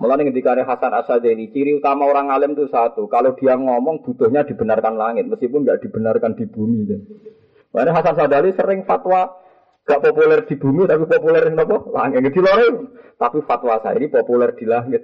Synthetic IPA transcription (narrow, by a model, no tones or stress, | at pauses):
məlanɪkət̪̬ikaneɦasana̰sad͡ʒ̪alit͡ʃiɾiut̪amaoɾaŋalɪmt̪usat̪ukalod̥iaŋɔmɔŋb̥ṳt̪ʊhɲad̥̪i̤bənarkanlaŋɪt̪̚məskipʊnɡaʔd̥i̤b̥ənarkand̥i̤b̥umikan | mlaneɦasans̬ad̪alisəɾɪŋfat̪wa | ŋɡ̥aʔpopulɛrd̥i̤b̥ṳmit̪apipopulɛrnɔpɔla̰ŋɪt̪̚ɡət̪̚d̪̥i̤lɔɾɔt̪apifat̪wasa̰ḭnipopulɛrd̪̥i̤laŋɪt̪̚